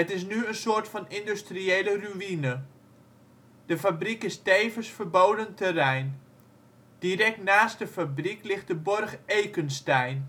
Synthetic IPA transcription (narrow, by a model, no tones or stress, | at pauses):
ətɪsnyənsʊːtfɔnɪndystrieːləryinə | d̥əfabrikɪstejvəsfərbowdəntərɛjn | d̥irɛk̚tnaːst̚dəfabriklɪχt̚dəbʊrχejkənstɛjn